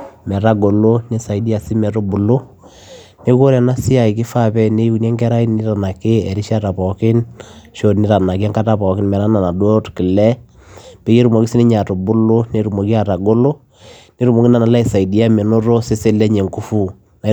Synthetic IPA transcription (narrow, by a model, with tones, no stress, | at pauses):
mɛ˨ɾa˦ɡo˨lo˦ne˦sa˨i˨˦di˦a˨sɪ˦mɛ˨ɾo˦bu˨lo˦ | ne˦ko˦ɾa˨na˦sɪ˦a˨i˨kɪ˦fa˦pɛ˦ne˦ju˦knɛ˦ŋɡɛ˦ɾa˦i˦nɪ˦ɾa˨na˨kɪ˦ɛ˨ɾɪ˦ʃa˦ta˨pɔ˨kɪ˦nʃo˨nɪ˦ɾa˨na˨ka˦ŋka˦ta˨pɔ˨kɪ˦nmɛ˨ɾa˦na˨na˨dwo˦tkɪ˨lɛ˦ | pe˨˦ke˦ɾu˨mo˨ɡi˦si˦nɪ˦ɲa˨to˨bʊ˦lo˦ne˨˦ɾu˨mo˨ki˦a˨ɾa˨ɡo˦lo˦ | ne˦ɾu˨mo˨ki˦na˨na˨la˦i˨sa˨i˨di˦a˦mɛ˨no˦ɾo˦se˦se˦lɛ˦ɲe˨ŋku˦fu˦ | na˨